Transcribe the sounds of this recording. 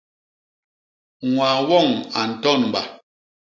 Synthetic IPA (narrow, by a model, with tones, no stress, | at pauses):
ŋwaː˨wɔ˦˨ŋa˨n̩˨tɔ˦˨nm̩˨ba̰˨